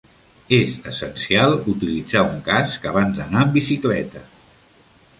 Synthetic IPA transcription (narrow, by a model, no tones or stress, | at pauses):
ezəsənsialˠut̪ilid͡zauŋkaskəβ̞anzd̪ənaəmbisiklɛt̪ə